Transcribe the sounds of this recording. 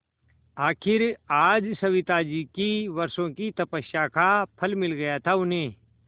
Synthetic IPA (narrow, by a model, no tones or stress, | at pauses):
aːkʰɪɾaːd͡ʒsɐʋɪt̪ad͡ʒikiʋɐɾsõkit̪ɐpəʃakapʰɐlmɪlɡɐjat̪ʰaʊnɦẽː